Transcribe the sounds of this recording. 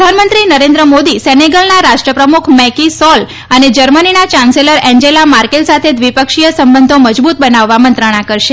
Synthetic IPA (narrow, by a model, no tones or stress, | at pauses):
d̪ʱanmənt̪ɾinəɾẽnd̪ɾəmod̪isɛneɡəlnaɾaʃʈɾəpɾəmukʰmɛkisɔl | əned͡ʒəɾməninat͡ʃãnseləɾɛ̃ɲd͡ʒelamaɾkelsat̪ʰed̪ʋipəkʃijəsəmbənd̪ʱõməd͡ʒbut̪̚bənaʋːamənt̪ɾəɽ̃akəɾʃe